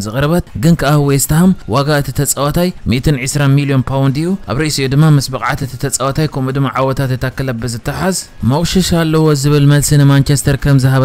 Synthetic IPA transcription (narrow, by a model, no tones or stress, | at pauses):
zɨχʼɾɐβɐt̪̚ɡɨnkʰɨʔahwɔjst̪ʰahɐmwaɡaɨt̪ʰi̥t̪ʰɐt͡sʼɐwɐt̪ʰajmit̪ʰɨnʕɨsɾanmilio̞npʰawnd̪ɨjːuʔaβɾɐʔisijud̪ɨmːamɨsbɐkʼʕa̰t̪ɨt̪ʰit̪ʰɐt͡sʼɐwɐt̪ʰajkʰomud̪ɨmːaʕawɔt̪ʰat̪jɨt̪ʰakːɨlɐbːɨzɨt̪ʰːɨħazmɐχʼʃɐʃalːɐwozɨβɨlmɐlsinɨmant͡ʃʰest̪ʰɐɾkʰɐmzɨɦaβ